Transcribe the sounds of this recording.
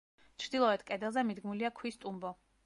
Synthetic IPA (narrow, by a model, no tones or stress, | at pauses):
t͡ʃʰɾd̪ilˠɔɛt̪ʰkʼɛd̪ɛlˠzɛmid̪ɡmuliakʰwist̪ʼumbɔ